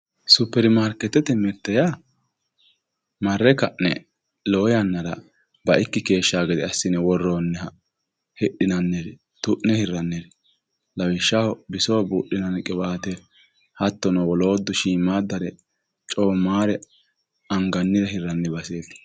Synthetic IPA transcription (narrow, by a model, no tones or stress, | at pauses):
sʊpːɛɾɪmaːɾkɛt̪ːɛt̪ɛmɛt̪ːɛja | mɐrːɛkɐʔnɛ | loːjɐnːɐɾɐ̰ | bɐʔɪkːɪke̞ːʃːaːɡɛd̪ɛɐsːɪnɛwɔrːoːnːɛhɐ | hɛɗɪnɐnːɛɾ | t̪ʊʔnɛhɪrːɐnːɛɾ | lɐwɪʃːahɔbɪsoːbuːɗɪnɐnɛkʼɪbaːt̪ɛ | hɐt̪ːɔnɐwɔlo̞ːd̪ːʊʃiːmaːd̪ːɐɾɛ | t͡ʃʼoːmːaːɾɛ | ɐŋɡɐnːɪɾɛhɪrːɐnːɛbɐseːt̪ː